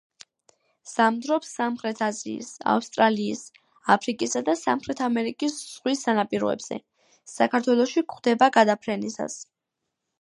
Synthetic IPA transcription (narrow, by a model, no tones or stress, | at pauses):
z̥amd̪ɾɔpsamχɾɛt̪ʰazḭḭsa̰fst̪ʼɾaliːs | apʰɾikʼisad̪asamχɾɛt̪ʰamɛɾikʼisz̥ʁwisːanapʼiɾɔ̰ɛ̰bz̥ɛ̰ | sakʰaɾt̪ʰwɛlˠɔʃikχwd̪̥ɛbaɡad̪apʰɾɛnisa̰s